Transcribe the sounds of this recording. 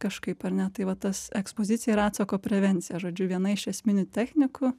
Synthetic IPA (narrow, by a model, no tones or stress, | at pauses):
kɐʃkɐɪpɐɾʲnʲɛt̪ɐɪʋɐt̪ɐsɛkspoːzʲɪt̪ʲɪjɛɾɑːt̪sɐkoːpʲɾʲɛʋʲɛnʲt̪sʲɪjɛʒoːd͡ʒʲʊʋʲiɛnɐɪʃɛsʲmʲɪnʲʊt̪ʲæxʲnʲɪkʊ